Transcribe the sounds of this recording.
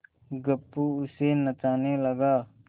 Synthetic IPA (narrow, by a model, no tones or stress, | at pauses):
ɡəpːuʊsenət͡ʃaːneləɡaː